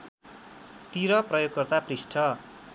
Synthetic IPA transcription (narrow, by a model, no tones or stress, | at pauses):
t̪iɾʌprʌjoɡ̚kʌrt̪aprisʈʰʌ